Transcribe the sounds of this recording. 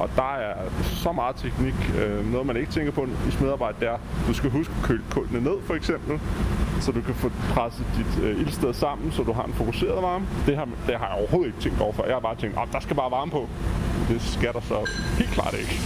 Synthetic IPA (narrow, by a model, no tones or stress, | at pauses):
ʔɒ̽d̥ɑ̈æɐɐsɒ̽mɑ̈ːð̩ˠt͡sʰeɡ̥niɡ̥ønɔ̽ːð̩ˠmæne̝ɡ̥ə̥t͡sʰeŋɡ̥ɐpʰɒ̽dismeðˠɑːb̥ɑ̈ɪ̰d̥əd̥eæɐd̥usɡ̥æɦusɡ̥ə̥kʰøːlkʰɔ̽lnəne̝ð̰ˠfɒ̽eɡ̥sem̰b̥l̩sɒ̽d̥ukʰæfɔpʰʁasəd̥id̥øilsd̥eðˠsɑ̈m̰n̩sɒ̽d̥uɦɑ̈denfo̝kʰuse̝̰ːɐðˠʋɑ̈ːmd̥e̝ɑ | d̥eɦɑ̈jɑɒɐho̝ːð̩ˠe̝ɡ̥ət͡sʰeŋ̰d̥ɒ̰ʊɐfɶɐjɑhɑ̈b̥ɑ̈ːt͡sʰeŋ̰d̥ɒmd̥ɑ̈sɡ̥æubɑ̈ːʋɑ̈ːmpʰɒ̽d̥e̝sɡ̥æɾ̥ɑ̈sɒ̽he̝̰l̥kʰlɑ̰̈ːd̥e̝ɡ̥ə